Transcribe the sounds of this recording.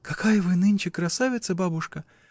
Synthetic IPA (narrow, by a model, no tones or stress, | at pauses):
kakajɐvɨnɨnʲt͡ʃɪkɾasavʲɪt̪sɐbabuʂkɐ